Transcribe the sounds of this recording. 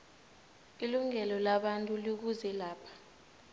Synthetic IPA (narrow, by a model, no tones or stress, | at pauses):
iluŋɛlɔlaɓantʼulik̬uzɛlaːpʰḁ